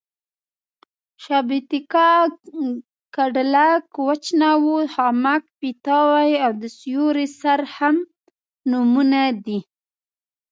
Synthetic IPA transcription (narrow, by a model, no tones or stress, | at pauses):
ʃɑbit̪ikɑ | kaɖlakwat͡ʃnawuhɑmak̚pit̪ɑwajawd̪əsjuɾisaɾham | numunad̪i